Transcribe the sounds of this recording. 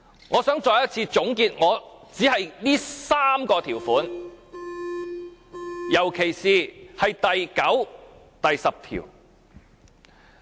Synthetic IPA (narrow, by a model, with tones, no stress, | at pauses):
ŋɔː˨˧sœː˨˥ŋt͡sɔː˨˧jɐ˥t̚t͡sʰiː˧t͡sʊ˨˥ŋkiː˧t̚ŋɔː˨˧t͡siː˨˥ɦɐ˨jliː˥saː˥mkɔː˧t̪ʰiː˨˩wfuː˨˥n | jɐ˨˩wkʰe˨˩jsiː˨hɐ˨jt̪ɐ˨jkɐ˨˥w | t̪ɐ˨jsɐ˨p̚t̪ʰḭː˨˩w